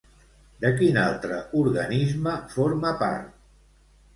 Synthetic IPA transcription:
d̪əkinalˠt̪ɾəʔuɾɣə̰nizməfoɾməpa̰ɾt̪̚

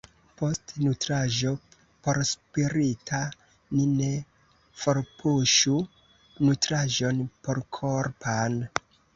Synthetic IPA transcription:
po̞stnutɾaʒo̞ | po̞ɾspiɾitʰa | nine̞ | fo̞ɾpʰuʃu | nutɾaʒo̞npo̞ɾkʰoɾpʰan

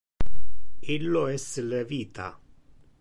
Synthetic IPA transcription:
ilːoɛseleviːt̪ʰa̰

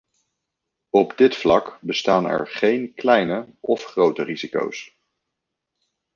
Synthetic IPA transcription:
ɔbdɪtflɑkbəstaːnɛ̰ɹχejnklɛjnə | ɔfχrowtəriziko̰ws

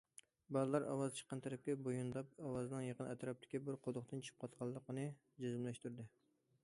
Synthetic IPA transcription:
bɑzɨlˠɑɾɑ̰wɑzt͡ʃʰə̥qːɑnt̪ʰæɾɛp̚kʲɛbojund̪ɑp̚ɑwɑznɨŋjəqənɛt̪ɾɑp̚t̪ʰɪ̥kʲibɪɾqʰod̪ʊχt̪ɨnt͡ʃʰɨ̥p̚qʰɑt̪qʰɑlˠːəqnɨ | d͡ʒezɪmlɛʃt̪yɾd̪ɪ

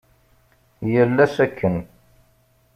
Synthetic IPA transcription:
jəlːæsækʰːən

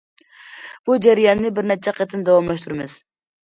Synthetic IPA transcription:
b̥ud͡ʒæɾijɑnːɪbɪɾnɛt͡ʃʰɛqʰæt̪ʰɪnd̪ɑwɑmlɑʃ̬t̪ʰuɾɨmɨz̥

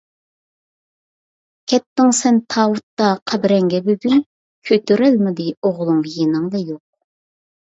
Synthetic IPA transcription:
kʲʰɛt̪ːɪŋsɛnt̪ʰɑwut̪ːɑqʰæbɾɛŋɡʲɛbyɡʲyn | kʲʰøt̪ʰyɾɛlmɪd̪ɪoʁlˠʊŋjenɨŋd̪ɑjoq̚

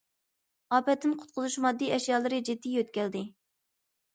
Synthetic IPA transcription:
ɑːpɛt̪ːɪmqʰʊ̥t̪̚qʰʊzuʃmɑd̪ːijɛʃjɑːlˠɨɾɨd͡ʒid̪ːijøt̪kʲɛld̪ɪ

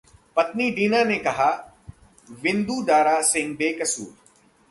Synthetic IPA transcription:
pɐt̪niɖ̪iːnaːnekɐɦaː | ʋɪ̃nd̪uːd̪aːɾaːsɪ̃ŋɡ̚beːkɐsṵːɾ

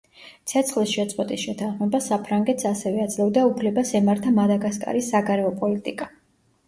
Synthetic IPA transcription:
t̪sʰɛt̪sʰχlisʃɛt̪sʼqʼɔt̪ʼisʃɛt̪ʰanχmɛbasapʰɾaŋɡɛt̪ʰsasɛvɛad̪zlɛvd̪aupʰlɛbasɛmaɾt̪ʰamad̪aɡaskʼa̰ɾisːaɡaɾɛɔpʼɔlit̪ʼikʼa

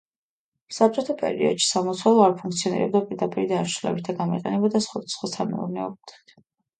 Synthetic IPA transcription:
sap̚t͡ʃʼɔt̪ʰapʼɛ̰ɾḭɔ̰d̪ʃi̥samɔt̪sʰwalˠɔaɾpʰuŋk̚ʰt̪sʰiɔnḭɾɛ̰b̚d̪apʼiɾd̪apʼiɾid̪aʃulɛ̰bit̪ʰaɡamḭqʼɛnɛbad̪asχwad̪asχwasʰamɛ̰ṵɾnɛɔbt̪i̥t̪ʰ

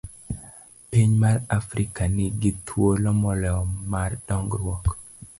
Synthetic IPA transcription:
piɲmaɾafɾikanɪɡɪt̪ʰwolɔmɔlɛɔmardɔŋɡɾwɔk

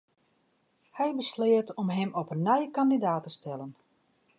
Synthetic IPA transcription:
hɛjbəslɪətɔmɦɛmɔpənːɛjəkandidaːtəstɛlən

